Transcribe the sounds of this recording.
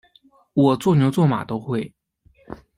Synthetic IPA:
wɔ˨˩t͡swɔ˥˩njo˧˥ʊt͡swɔ˥˩ma̰˨˩t̪o˥ʊxwe˥˩ɪ

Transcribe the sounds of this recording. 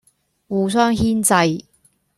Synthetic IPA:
wuː˨˧sœː˥ŋɦiː˥nt͡sɐ˧j

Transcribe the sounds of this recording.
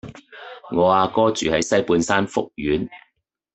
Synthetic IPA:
ŋɔː˨˧aː˧kɔː˥t͡ʃyː˨hɐ˨˥jsɐ˥jpuː˨˧nsaː˥nfʊ̰˥k̚jyː˨˥n

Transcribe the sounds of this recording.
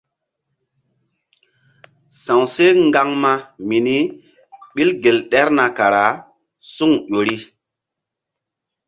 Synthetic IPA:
sã˨wse˦ŋɡa˦ŋma˦mi˨ni˦ | ɓi˦lɡe˨lɗɛ˦ɾna˨ka˨ɾa˨˦ | su˦ŋʄo˨ɾi˦

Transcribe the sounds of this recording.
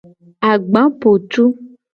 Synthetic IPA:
a˨ɡ͡bã˨˦po˨t͡ʃu˦

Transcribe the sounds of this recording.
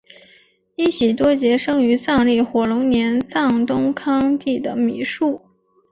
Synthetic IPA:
i˥˩ɕi˨˩t̪wɔ˥t͡ɕjɛ˧˥ʂɤ˥ŋy˧˥t͡sɑ˥˧ŋli˥˩xwɔ˨˩lʊ˧˥ŋnjɛ˧˥nt͡sɑ˥˩ŋt̪ʊ˥ŋkʰɑ˥ŋt̪i˥˩d̪ə˩mi˨˩˦ʂu˥˩

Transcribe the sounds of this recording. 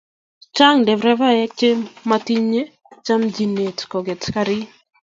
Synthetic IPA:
t͡ʃa˦ŋdɛ˨vɾɛ˦va˦jɛ˦k̚t͡ʃe˦mati˦ɲe˦ | t͡ʃa˦md͡ʒi˨ne˨tkɔ˨ɡɛ˨tkaɾi˦

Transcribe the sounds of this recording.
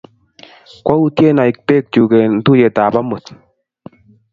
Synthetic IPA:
kwa˦u˦tjɛ˦na˨i˨k̚pe˦˨k̚t͡ʃu˨kɛ˨n̩˦tu˦jɛ˨taː˨pa˦mo˨t̪

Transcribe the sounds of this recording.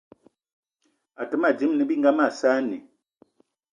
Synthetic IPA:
a˨tə˨˦ma˦˨d͡ʒi˨˦mnə˨bi˦ŋɡa˦ma˦˨sa˦nḭ˨

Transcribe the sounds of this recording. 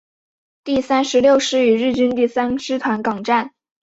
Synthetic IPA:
t̪i˥˩sa˥nʂɻ̩˧˥ljo˥˧ʊʂɻ̩˥˩y˨˩ɻɻ̩˥˩t͡ɕi˥nt̪i˥˩sa˥nʂɻ̩˥t̪ʰwa˧˥nkɑ˨˩ŋʈ͡ʂa˥˩n

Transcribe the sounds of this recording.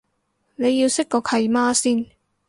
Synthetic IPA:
ne˨˧jːi˧wsɪ˥kkɔː˧kʰɐ˧jmaː˥siː˥n

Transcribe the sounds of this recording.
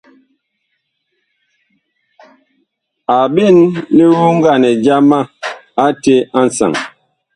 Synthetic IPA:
a˨bi˦˨nːi˦wu˦ŋ̩˦ɡa˦˨nɛ˨d͡ʒa˦ma˦a˦te˦a˦n̩˦sa̰˨ŋ

